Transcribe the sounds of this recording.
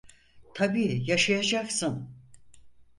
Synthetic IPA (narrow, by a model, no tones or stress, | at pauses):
t̪ʰabiːjaʃajad͡ʒaksɯn